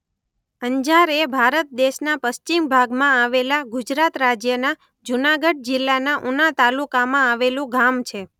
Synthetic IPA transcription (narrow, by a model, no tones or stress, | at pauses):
əɲd͡ʒaɾebʱaɾət̪̚d̪eʃnapəst͡ʃimbʱaɡmãaʋelaɡud͡ʒɾat̪ɾad͡ʒjəna | d͡ʒunaɡəɖ̚d͡ʒɪlːanaʔunat̪alukamãaʋelũɡamt͡ʃʰe